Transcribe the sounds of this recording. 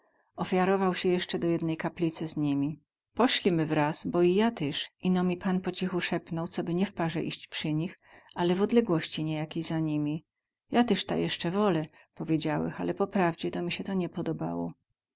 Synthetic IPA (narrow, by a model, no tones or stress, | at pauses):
ɔfʲjaɾɔvawɕɛjɛʂt͡ʂɛd̪ɔjɛd̪nɛjkaplʲit̪sɘzɲimʲi | pɔɕlʲimɘvɾasbɔijat̪ɛʂinɔmʲipanpɔt͡ɕixuʂɛpnɔwt̪sɔbɘɲɛfpaʐɛ̰ʔiɕt͡ɕpʂɘɲix | alɛvɔd̪lɛɡwɔɕt͡ɕiɲɛjakʲijzaɲimʲi | jat̪ɛʂt̪a̰jɛʂt͡ʂɛvɔlɛ | pɔvʲjed͡ʑawɛ̰xalɛpɔpɾavd͡ʑɛt̪ɔmʲiɕɛt̪ɔɲɛpɔd̪ɔba̰wɔ̰